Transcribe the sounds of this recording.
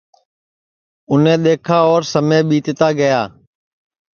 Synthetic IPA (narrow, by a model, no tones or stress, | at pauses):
ʊnẽːɗ̪eːkʰaːɔːɾsəmẽːɓiːt̪ːt̪aːɡəjaː